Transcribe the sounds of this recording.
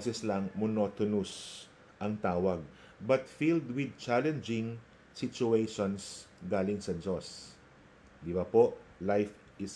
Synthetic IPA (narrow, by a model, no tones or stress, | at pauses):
sɛslɐŋmʊnot̪ɔnʊs | ʔɐŋt̪aːwɐɡ̚ | bɐt̪fild̪wɪd̪̚t͡ʃalɛ̃nd͡ʒɪ̃ŋ | sɪt͡ʃʊejʃɔnsɡaːlɪŋsɐd͡ʒos | d̪ɪbɐpoʔlajf | ɪs